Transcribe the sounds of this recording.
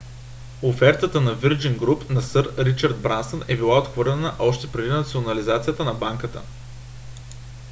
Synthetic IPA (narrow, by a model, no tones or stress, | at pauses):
ofɛɾt̪ət̪ənɐviɾd͡ʒiŋɡɾupnɐsɤɾɾit͡ʃəɾd̪̚bɾansənɛbilˠaot̪xvɤɾlʲɛnəʔɔʃt̪ɛpɾɛd̪inɐt̪sionɐlizat̪sijət̪ənɐbaŋkət̪ə̰